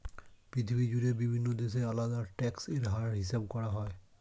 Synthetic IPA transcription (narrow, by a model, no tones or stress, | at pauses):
pɹitʰibʱid͡ʒudɛbibʱinːɔdes̬ɛaladaɹtɛkseɹɦaɹɦis̬ab̚kɔɹaɦɔj